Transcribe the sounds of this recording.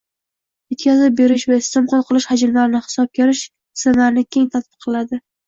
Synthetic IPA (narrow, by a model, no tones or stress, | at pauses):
jet̪kʰʲazɪp̚be̞ɾɪʃvaɪst̪ɪmqolˠqʰɨlˠɪʃhad͡ʒɪlmaɾɪnɪhɪ̥sɒp̚kʲʰeɾɪʃ | sɪlaɾɪnɪkʲʰe̞ŋt̪ʰat̪̚bɨqʰːɨlˠad̪ɪ